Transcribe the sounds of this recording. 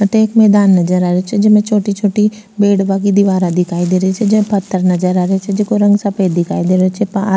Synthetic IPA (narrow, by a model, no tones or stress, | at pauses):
ʈ̪eːkmɛːd̪aːnːɐd͡ʒəɾaːɾeot͡ʃʰɛd͡ʒɪmẽt͡ʃʰoːʈit͡ʃʰoːʈi | beːɽʋak̬id̪ɪʋaːɾad̪ɪkʰaːid̪eːɾəit͡ʃʰɛd͡ʒɪẽpət̪ʰːəɾnɐd͡ʒəɾaːɾeit͡ʃʰɛd͡ʒekoɾɐ̃ŋɡsɐpeːd̪ɪkʰaːid̪eːɾɐt͡ʃʰɛpa